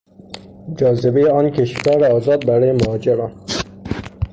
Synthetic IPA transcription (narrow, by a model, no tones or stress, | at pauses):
d͡ʒɒːzebejeɒːnkʰeʃkæːɾeɒːzɒːd̪̚bæɾɒːjemohɒːd͡ʒeɾɒːn